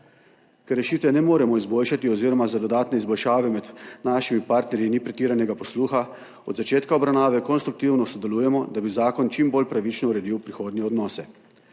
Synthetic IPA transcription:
kɛɾːɛʃiːt̪ʋɛnɛmoːɾɛmɔizboːlʃat̪iɔziːɾɔmazad̪ɔd̪aːt̪nɛizbɔlʃaːʋɛmɛd̪naːʃimipaːɾt̪nɛɾjinipɾɛt̪iːɾanɛɡapɔsluːxa | ɔ̰d̪zat͡ʃeːt̪kaɔbɾawnaːʋɛkɔnst̪ɾuk̚t̪iwnɔsɔd̪ɛluːjɛmɔd̪abizaːkɔnt͡ʃimboːlpɾaʋit͡ʃnɔuɾɛd̪iːwpɾixoːd̪nɛɔd̪nɔːsɛ

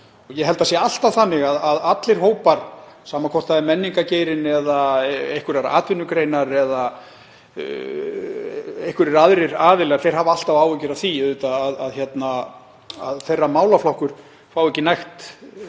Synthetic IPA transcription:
ɔɣjɛɦɛl̪t̪asjɛaal̥t̪avθanːɪɣaðaðat̪lɪɾ̥ɦoːwpaɾ̥saːmakʰɔr̥t̪aɛmɛnːiŋkaceːjɾɪnɛðaejhkʏɾaɾa̰ʔa̰ːt̪vʏnːʏkɾejnaɾɛða | ehkʏɾɾaðɾɪɾaːvɪlɛɣaɾθejɾ̥ɦaːvaal̥t̪avaːwɛcɪɾaθieːt̪aːðaðçjɛt̪na | aðθejrːamaːwlaflɔhkʏɾ̥ | faːwɛcːɪnajxt̪

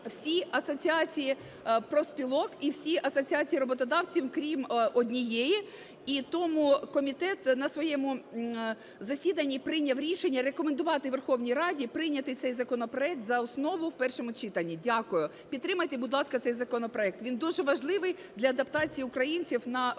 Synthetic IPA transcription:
w̥sʲiɐsɔt͡sʲiɑt͡sʲiji | pɾɔspʲilˠɔkiwsʲiʔɐsɔt͡sʲiɑt͡sʲijiɾɔbɔt̪ɔd̪ɑwt͡sʲiwkɾʲimɔdʲnʲijɛji | it̪ɔmʊkɔmʲit̪ɛt̪nɐsʋɔjɛmʊ | zɐsʲid̪ɐnʲːipɾɪnʲɐwɾʲiʃenʲːɐɾekɔmend̪ʊʋɑt̪ɪʋerxɔwnʲijɾɑdʲipɾɪnʲɐt̪ɪt̪sɛjzɐkɔnɔpɾɔɛk̚t̪zɐɔsnɔʋʊwpɛrʃɔmʊt͡ʃit̪ɐnʲːidʲakʊjʊ | pʲit̪t̪ːɾɪmɐjt̪ebʊd̪lˠɑskɐt̪sɛjzɐkɔnɔpɾɔɛk̚t̪ʋʲind̪uʒɛʋɐʒlˠɪʋɪjd̪lʲɐːd̪ɐpt̪ɑt͡sʲijiʊkɾɐjinʲt͡sʲiwnɐ

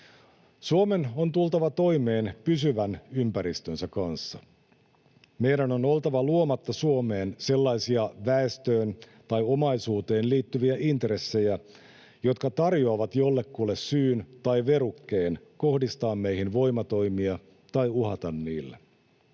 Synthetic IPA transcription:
suome̞no̞nt̪ult̪ɑʋɑt̪o̞ime̞ːnpysyʋænympæɾist̪ønsækɑnsːɑ | me̞jɾæno̞no̞lt̪ɑʋɑluomɑt̪ːɑsuome̞ːnse̞lːɑjsiɑʋæest̪øːn | t̪ɑjo̞mɑjsuːt̪e̞ːnliːt̪ːyʋiæʔint̪ɾe̞sːe̞jæ | jo̞t̪kɑt̪ɑrjoɑʋɑt̪jo̞lːe̞kːulːessyːnt̪ɑjʋeɾukːe̞ːn | ko̞hdist̪ɑːmːme̞jhinʋo̞jmɑt̪o̞jmiɑ | t̪ɑjuɦɑt̪ɑnːḭːlːḛ

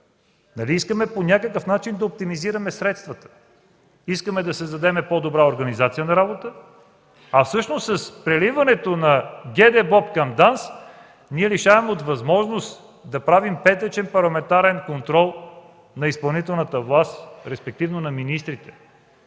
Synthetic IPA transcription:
nɐliiskəmɛponʲakəkəfnat͡ʃind̪ɐop̚t̪imiziɾɐmɛsɾɛt̪st̪vɐt̪ə̥ | iskəmɛd̪ɐsɛzd̪ɐd̪ɛmɛpɔd̪obɾaoɾɡɐnizat̪sijənɐɾabot̪ə | ɐfsɤʃnost̪sːɐspɾɛlivɐnɛt̪onɐɡʲɛd̪ɛbɔpkɐmd̪ans | niɛliʃavɛmɛot̪vɐzmɔʒnost̪ | d̪ɐpɾavimpɛt̪ɛt͡ʃɛnpɐɾlˠɐmɛnt̪aɾɛnkont̪ɾɔlˠ | nɐispɐlˠnit̪ɛlˠnət̪əvlˠast̪ɾɛspɛk̚t̪ivnonɐminist̪ɾit̪ɛ̥

